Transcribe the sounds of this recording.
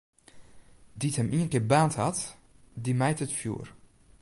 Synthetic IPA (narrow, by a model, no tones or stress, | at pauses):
dithəmiənkɪːbaːnthat | dimɛjtətfjṵːr